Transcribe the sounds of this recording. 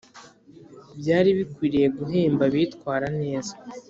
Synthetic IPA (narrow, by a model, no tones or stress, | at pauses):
bɟaːɾiβikwiːɾije̞ɡuɦeːmbaβitkwaːɾane̞ːza